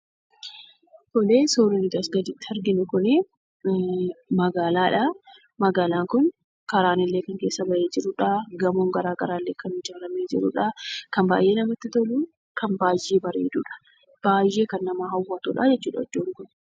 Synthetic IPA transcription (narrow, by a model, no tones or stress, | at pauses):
hɔleːsoːɾɪnɪd̪ɐsɡɐd̪ɪt̪ːɪ̥hɐɾɡɪnʊkʊne | mɐɡaːlaːᶑɐ | mɐɡaːlaːŋkʊn | kɐɾaːnɪlːeːkɐŋke̞ːsːɐbɐʔeːd͡ʒɪɾʊːᶑɐɡɐmoːŋɡɐɾaːɡɐɾaːlːeːkɐnɪd͡ʒaːɾɐmeːd͡ʒɪ̰ɾṵːᶑɐkɐmba̰ːjʔe̞ːnɐmɐt̪ːɪt̪oluː | kʰɐnbaːjːe̞ːbɐɾeːd̪uːᶑɐ̥ | b̥aːjːe̞ːkɐnːɐmaːɦɐwːɐt̪ṵːᶑaːd͡ʒɛtt͡ʃːuːᶑɐɔ̰d͡ʒːoːŋkʊn